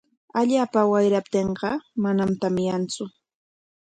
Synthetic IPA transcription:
aʎaːpawajɾap̚t̪eɴɢɑmanamt̪amjant͡sʊ

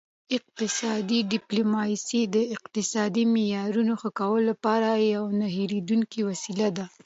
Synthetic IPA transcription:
ɪq̚t̪ɪsɑd̪iɖɪplomɑsid̪əɪqt̪ɪsɑd̪imejɑɾunoxəkawəlːapɑɾajawnaɦeɾed̪uŋkiwasilad̪a

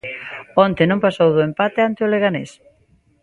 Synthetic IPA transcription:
ɔnt̪enõŋpasowðoempat̪eant̪eoleɣanḛs

